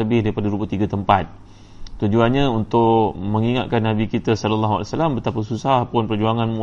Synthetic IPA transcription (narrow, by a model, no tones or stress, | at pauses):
əbɪhdaɾipadaɾubat̪iɡat̪əmpat̪̚ | t̪ud͡ʒuanɲaunt̪ʊʔmə̃ŋiŋa̰t̪̚kanːabikit̪asɔləlːaɦua̰lsalambət̪apasusahpʊnpərd͡ʒuaŋanmũ